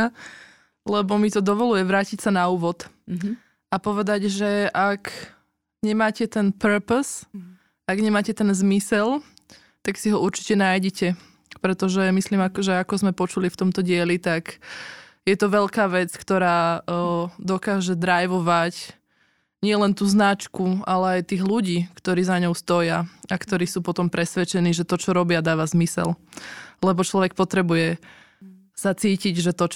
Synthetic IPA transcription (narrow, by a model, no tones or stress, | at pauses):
lɛbɔmit̪ɔd̪ɔʋɔlujɛʋɾaːcicsanauːʋɔt̪ | ʔapɔʋɛd̪aɟʒɛʔak | ɲɛmaːcɛt̪ɛnpɛɾpɔs | aɡɲɛmaːcɛt̪ɛnzmisɛl | t̪aksiɦɔuɾt͡ʃi̥cɛnaːjɟɛcɛ | pɾɛt̪ɔʒɛmisliːmakɔʒɛakɔzmɛpɔt͡ʃulift̪ɔmt̪ɔɟɪɛlit̪ak | jɛt̪ɔʋɛʎkaːʋɛt͡skt̪ɔɾaː | d̪ɔkaːʒɛd̪ɾajʋɔʋac | ɲɪɛlɛnt̪uːznat͡ʃkualɛajt̪iːɣluɟiːkt̪ɔɾiːzaɲɔʊst̪ɔjaakt̪ɔɾiːsuːpɔt̪ɔmpɾɛsʋɛt͡ʃɛniːʒɛt̪ɔt͡ʃɔɾɔbɪad̪aːʋazmisɛ̰llɛbɔt͡ʃlɔʋɛk̚pɔt̪ɾɛbujɛ | sat͡siːciɟʒɛt̪ɔt͡ʃ